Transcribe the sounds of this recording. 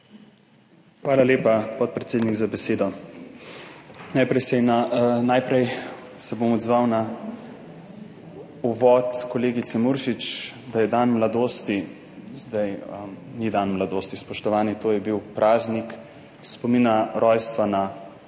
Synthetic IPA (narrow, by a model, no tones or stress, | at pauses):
xʋaːlaleːpapɔt̪̚pɾɛt̪seːd̪niɡzabɛseːd̪ɔ | najpɾɛjsɛnanajpɾɛj | sɛbomɔd̪zʋawna | uʋɔt̪kɔleːɡit̪sɛmuɾʃit͡ʃd̪ajɛd̪anmlad̪oːst̪i | zd̪ajnid̪anmlad̪oːst̪ispɔʃt̪ɔʋaːnit̪oːjɛbiwpɾʔaːznik | spɔmiːnaɾʔɔjst̪ʋana